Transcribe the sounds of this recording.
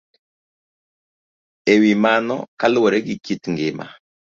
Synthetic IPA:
ewimanɔ̰kalwɔɾɛɡikitŋɡɪma̰

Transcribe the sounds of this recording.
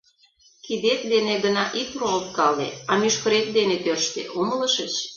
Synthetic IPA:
kid̪et̪̚d̪eneɡənɑʔikrolt̪kɑlḛɑmyʃkəɾet̪̚d̪enet̪ørʃt̪ḛʔomələ̆ʃət͡ɕ

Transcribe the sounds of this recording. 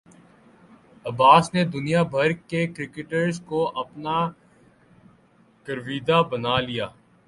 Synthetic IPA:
ɐbaːsned̪ʊnijabʱɐɾkekɾɪkɪʈəɾzkoʔɐpna | kəɾʋiːd̪abɐnaːlijaː

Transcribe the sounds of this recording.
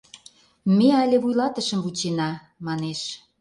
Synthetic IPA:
meælʲeβujlɑt̪əʃə̆mvut͡ɕenɑ | mɑneʃ

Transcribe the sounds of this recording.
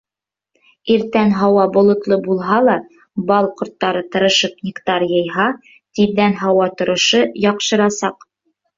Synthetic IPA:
iɾt̪ænɦɑwɑbŏlˠŏt̪lˠɤbulˠɦɑlˠɑ | bɑlˠqŏɾt̪ːɑɾɤt̪ɤ̆ɾɤ̆ʃɤpnʲɪkt̪ɑɾjɤ̆jɦɑ | t̪iːænɦɑwɑt̪ŏɾŏʃɤjɑqʃɤ̆ɾɑsɑq

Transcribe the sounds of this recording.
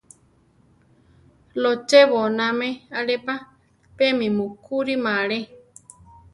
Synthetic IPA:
lot͡ʃeβonãmẽaɺepa | pemĩmukuɾimãɺe

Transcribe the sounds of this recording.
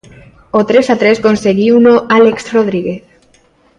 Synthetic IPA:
ot̪ɾesat̪ɾeskonseɣiunoʔaleksroð̞ɾiɣeθ

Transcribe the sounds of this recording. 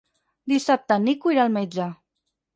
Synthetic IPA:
d̪isap̚t̪ənikuiɾalˠmed͡ʒə

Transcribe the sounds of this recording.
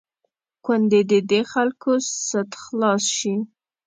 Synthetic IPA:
kwand̪ed̪əd̪exalkosət̪xlɑsʃi

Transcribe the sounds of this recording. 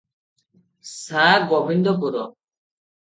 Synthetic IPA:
saɡɔbʱind̪ɔp̬uɾɔ

